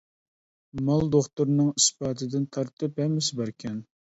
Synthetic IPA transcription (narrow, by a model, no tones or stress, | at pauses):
mɑlˠd̪oχt̪uɾnɨŋispɑːt̪ʰɨd̪ɪnt̪ʰɑɾt̪ʰɨphɛmːɪsɪbæɾkʲʰɛn